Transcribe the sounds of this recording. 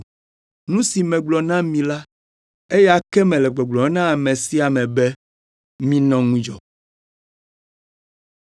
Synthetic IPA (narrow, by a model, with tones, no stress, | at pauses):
nũ˦si˨mɛ̃˨ɡ͡blɔ˨nã˦mĩ˨la˦ | e˦ja˨kɛ˦mɛ̃˨lɛ˨ɡ͡bɔ˨ɡ͡blɔ˨˦nã˦a˨mẽ˨si˦a˨mɛ̃˨bɛ˦ | mĩ˦nɔ̃˦ŋũ˦d͡ʒɔ˨